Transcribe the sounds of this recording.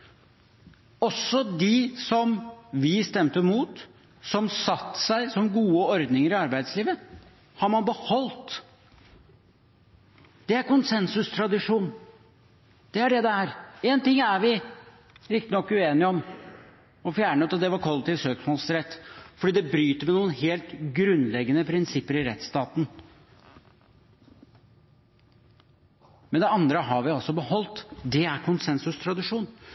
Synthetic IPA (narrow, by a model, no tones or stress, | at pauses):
ɔsːɔd̪ɪsɔmʋɪst̪ɛmt̪əmuːt̪ | sɔmsɑt̪ːsæɪsɔmɡuːəɔɾd̪nɪŋəɾɪɑɾbæɪd̪sliːʋə | hɑɾmɑnbəhɔlt̪ | d̪̥ɛæɾkʊnsɛnsʉst̪ʰɾɑd̪ɪʂuːn | d̪̥ɛæɖɛd̪ɛæɾent̪ɪŋːæɾʋɪ | ɾɪkt̪ɪnɔkːʉeːnɪəɔm | ɔfjæːɳəʉt̪ɑt̪̚d̪ɛʋɑɾkʰɔlːət̪ɪʋsøːksmoːlsɾɛt̪ːfɔɖiːd̪ɛbɾyːt̪əmɛnuːənheːlt̪ɡɾʉnːlɛɡːənəpʰɾɪnsɪpːəɾɪɾɛt̪st̪ɑːt̪n̩ | mɛnd̪ɛɑnd̪ɾəɦɑɾʋɪɔlsɔbəhɔlt̪d̪ɛæɾkʰʊnsɛnsʉst̪ʰɾɑd̪ɪʂuːn